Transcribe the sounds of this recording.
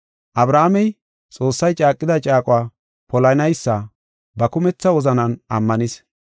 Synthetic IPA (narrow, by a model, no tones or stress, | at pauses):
ʔɐbɾaːmɛj | t͡sʼo̞ːsːɐjt͡ʃʼaːkʼːɪd̪ɐt͡ʃʼaːkʼʊwaː | pɔlɐnɐjsːɐ | bɐkʊmɛt͡sːɐwɔzɐnɐnɐ̰mːɐnɪs